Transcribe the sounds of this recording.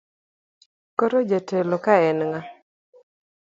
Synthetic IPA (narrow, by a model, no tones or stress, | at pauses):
koɾod͡ʒatelokaɛnŋa